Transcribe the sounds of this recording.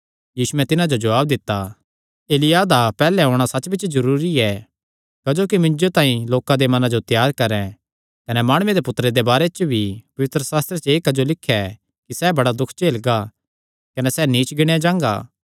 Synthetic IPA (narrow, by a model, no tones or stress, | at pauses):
jiːsuɛ̃t̪ɪnãd͡ʒod͡ʒɐʋaːb̚d̪ɪt̪ːa | eːlɪjad̪apɛːlɛɦoːɽ̃asɐtːbɪt͡ʃʰzɐɾuːɾiɛ | kɐd͡ʒoːkimɪ̃nd͡ʒot̪ãːĩloːkãd̪emɐnãd͡ʒot̪jaːɾkɐɾɛ̃ | kɐnɛmaːɽ̃ʊed̪epʊt̪ːɾed̪ebaːɾɛt͡ʃbʱipɐʋɪt̪ɾəsaːst̪ɾet͡ʃeːkɐd͡ʒolɪkʰːɛ | kisɛbɐɽad̪ʊkʰt͡ʃeːlɡa | kɐnɛsɛniːt͡ʃɡɪɽ̃ejad͡ʒãːŋɡa̰ː